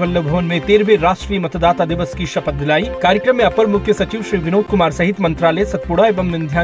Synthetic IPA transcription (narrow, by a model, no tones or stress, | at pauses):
ʋəlːəbʱoːnmẽt̪eːɾbeɾaːʃʈɾijmɐt̪d̪aːt̪ad̪ɪʋəskiʃɐpət̪̚d̪ɪlaːikaːɾjəkɾəmːẽɐpːəɾmʊkʰjəsɐt͡ʃiːʋʃɾiːʋɪnoːt̪kʊmaːɾsɐɦɪt̪mɐ̃nt̪ɾaːləsɐt̪̚pʊɽaeːʋɐmnɪ̃nd̪ʱjaː